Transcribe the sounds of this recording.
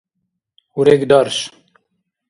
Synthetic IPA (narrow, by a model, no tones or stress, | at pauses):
uɾekd̪ɑːɾʃ